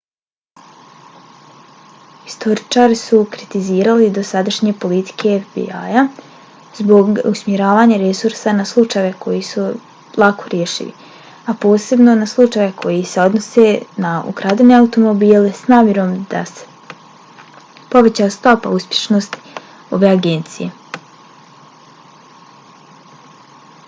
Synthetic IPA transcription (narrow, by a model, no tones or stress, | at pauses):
i̥st̪ʰo̞ɾit͡ʃaːɾisukɾit̪iziːɾalid̪o̞sad̪aʃɲe̞po̞lit̪i̥kʰe̞efbḭaja | zbo̞ɡusmjeɾaːʋaːɲaɾe̞suɾsanaslˠut͡ʃajʋe̞kʰo̞jisu | lˠako̞ɾjeʃḭʋḭ | apo̞ːse̞bno̞naslˠut͡ʃajʋe̞kʰo̞jise̞o̞d̪no̞senaṵkɾaːd̪one̞aut̪o̞mo̞biːlesnaːmʲje̞ɾo̞md̪̥a̰se̥ | po̞ʋe̞t͡ɕaːst̪o̞pa̰uspʲje̞ʃnost̪i̥ | o̞ʋe̞aɡe̞nt̪sije̞